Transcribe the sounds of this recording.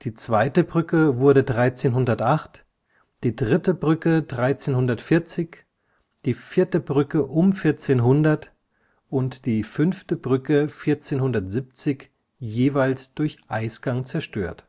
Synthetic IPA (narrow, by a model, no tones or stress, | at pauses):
d̥iːt͡sv̥aɪtəbʁʏkəvʊɐɾədʁaɪt͡seːnɦʊndɐtʔaχt | d̥iːdʁɪtəbʁʏkədʁaɪt͡seːnhʊndɐtfɪɐt͡sɪç | d̥iːfɪɐtəbʁʏkəʔʊmfɪɐt͡seːnɦʊndɐt | ʔʊntd̥iːfʏnftəbʁʏkəfɪɐt͡seːnhʊndɐtz̥ɪp̚t͡sɪç | jeːvaɪlsd̥ʊɐçʔaɪsɡ̥aŋt͡sɛɐʃtø̰ːɐt